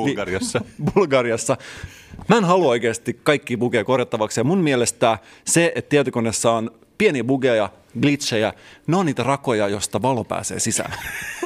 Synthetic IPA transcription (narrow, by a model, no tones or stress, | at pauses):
lirsːɑbulɡɑriɑsːɑmænɦɑluojkeːst̪ikkɑikːiːbuɡeikorjɑt̪ːɑʋɑksjɑmunmielest̪æː | seet̪t̪iet̪ykonesːɑon | pienibuɡejɑ | ɡlit̪ʃejæneonniːt̪ærɑko̞jɑjo̞st̪ɑʋɑlopæ̰ːsḛːsisæ̰ː